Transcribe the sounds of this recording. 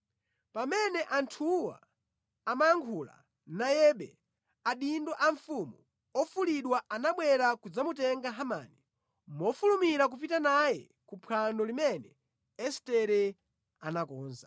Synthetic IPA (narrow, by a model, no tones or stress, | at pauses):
pamɛnɛʔantʰuwa̰ː | maaŋkʰula̰ | najɛɓɛ̰ | aɗindɔʔaɱfumu | ɔfuliɗwaʔanaɓwɛɾakud͡zamutɛŋɡaɦamaːni | mɔfulumiɾak̬up̬itanajɛ | kupʰandɔlimɛnɛ | ɛstɛɾɛ | anakɔːnza